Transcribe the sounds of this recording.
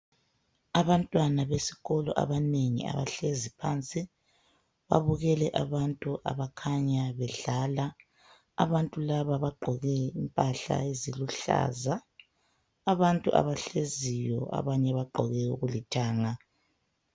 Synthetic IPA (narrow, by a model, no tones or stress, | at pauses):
aβantʼwanaβesi̥ɣɔlɔ̰ʔa̰βaneŋḭa̰βaɬezipʰaːnt͡sʼi | βa̰βuɣɛlɛʔaβantʼuʔa̰βakʰaɲaβɛɮala | aβantʼulaβaβaɡ͡ǃʱɔɣɛimpʼaɬa̰eziluɬa̰zaː | βantʼṵʔa̰βaɬezijɔ̰a̰βaɲɛβaɡ͡ǃʱɔɣɛṵɣulitʰaːŋa